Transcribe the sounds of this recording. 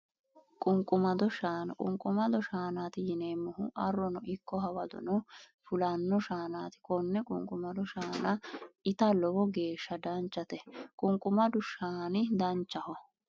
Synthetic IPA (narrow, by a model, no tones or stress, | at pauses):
kʼʊŋkʼʊmɐd̪ɔʃaːnɐkʼʊ̰ŋkʼʊmɐd̪ɔʃaːnaːt̪ɪjɪneːmːɔhʊʔɐrːɔnɔʔɪkːɔɦɐwɐd̪ɔ̰nɔ | fʊlɐnːɔʃaːnaːt̪ɪ̥kɔnːɛkʼʊ̰ŋkʼʊmɐd̪ɔʃaːnɐɪt̪ɐlɔbɔɡe̞ːʃːɐd̪ɐnt͡ʃːɐt̪ɛkʼʊŋkʼːʊmɐd̪ʊʃaːnɪd̪ɐnt͡ʃːɐhɔ